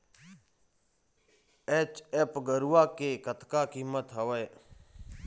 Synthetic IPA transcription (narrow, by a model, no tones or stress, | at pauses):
eːt͡ʃeːpɡəɾuːaːkeːkət̪ʰkaːkiːmət̪ɦəʋəː